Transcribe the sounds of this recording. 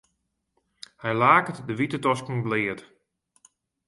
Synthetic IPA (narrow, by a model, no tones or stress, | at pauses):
hɛjlaːkətdəʋitətɔskn̩blɪːət